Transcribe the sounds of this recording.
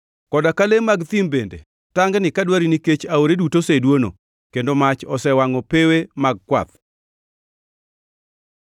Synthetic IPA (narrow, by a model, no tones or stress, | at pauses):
kɔdakalemːaɡt̪imbendḛ | taŋɡnɪkadwaɾiniket͡ʃaoɾedutosedwono̰ | kendomat͡ʃɔsɛwaŋɔpewemaɡ̚kwa̰t̪̚